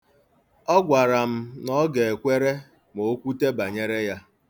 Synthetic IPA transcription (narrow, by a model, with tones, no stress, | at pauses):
ɔ˦ɡʷa˨ɾa˨m̩˦nɔ˦ɡe˨e˨kʷe˦ɾe˦ | mo˨˦kʷu˦te˦ba˨ɲe˦ɾe˦ja˦